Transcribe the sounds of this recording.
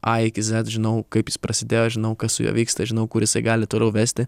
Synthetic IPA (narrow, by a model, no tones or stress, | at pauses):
ʔɐɪkʲɪzʲɛt̪ʒʲɪnɐʊkɐɪpjɪspɾɐsʲɪd̪ʲeːjoʒʲɪnɐʊkɐssʊ̰jo̰ːʋʲiːkst̪ɐʒʲɪnɐʊkʊɾjɪsɐɪɡɑːlʲɪt̪oːlʲɛʊʋʲæːsʲt̪ʲɪ